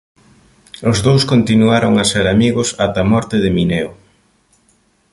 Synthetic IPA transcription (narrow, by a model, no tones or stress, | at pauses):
ʊzðowskont̪inuaɾoŋaseɾamiɣʊsat̪ɐmɔɾt̪ɪðɪminɛo